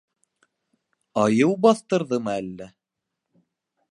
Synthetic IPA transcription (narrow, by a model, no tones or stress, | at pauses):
ɑjɤwbɑθt̪ɤ̆ɾðɤmɤælːæ